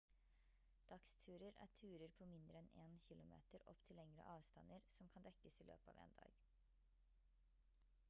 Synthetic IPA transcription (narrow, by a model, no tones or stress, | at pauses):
d̪̥ɑkst̪ʰʉːɾəɾʔæ̰ːʈʰʉːɾəɾpʰoːmɪnd̪ɾəɛneːnçɪlʊmḛːt̪əɾɔ̰pt̪ʰɪlːɛŋɾə̰ʔɑːʋst̪ɑnːəɾsɔmkʰɑnd̪ɛkːəsiːlø̰ːpɑ̰ːʋḛːnd̪ɑ̰ːɡ